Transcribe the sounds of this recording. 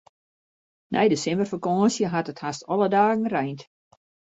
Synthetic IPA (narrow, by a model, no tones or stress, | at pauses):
nʔɛ̰jdəsɛmbərfəkɔːnsjəɦatəthastɔlˠədaːɣən̩rɛjnt